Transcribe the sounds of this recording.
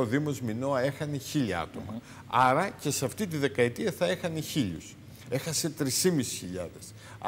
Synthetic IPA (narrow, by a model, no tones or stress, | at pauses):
oðimo̞zmino̞ɐe̞xɐne̞çiʎɐɐ̰t̪o̞̰mɐ̰ | ɐɾɐce̞sɐft̪it̪̬iðe̞kɐet̪iɐθɐe̞xɐneçiʎus | e̞xɐse̞t̪ɾisimisi̥sçiʎɐ̰ðe̞s